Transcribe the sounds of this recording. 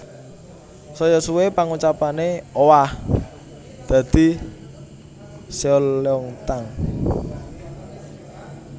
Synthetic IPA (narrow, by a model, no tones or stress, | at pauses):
sɔjɔsuwepaŋut͡ʃapaneowah | d̪̥a̤d̪̥i̤ | seɔleɔŋt̪aŋ